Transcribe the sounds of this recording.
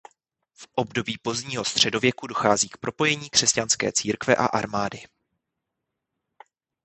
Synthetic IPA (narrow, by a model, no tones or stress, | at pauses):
fʔobdo̞biːpo̞zdɲiːɦo̞st̪r̝̥ɛdo̞vjɛkudo̞xaːziːkpɾo̞po̞jɛɲiːkr̥ɛscanskɛ̰ːt͡siːɾkvɛʔa̰ʔaɾmaːdɪ